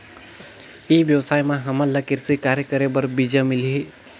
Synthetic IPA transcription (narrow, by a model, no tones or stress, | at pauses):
ibjəwsajmãɦəməlːəkiɾsikaɾjəkəɾebəɾbid͡ʒəmiliɦe